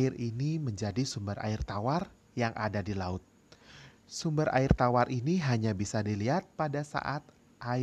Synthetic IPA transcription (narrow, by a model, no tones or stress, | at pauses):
ɪriniməɲd͡ʒadisumbəɾa̰ɪrt̪awar | jaŋʔadadilaʊt̪̚ | sumbəɾʔa̰ɪrt̪awarʔiniɦaɲabisadiliɦat̪̚padasa̰ʔat̪̚ | ʔa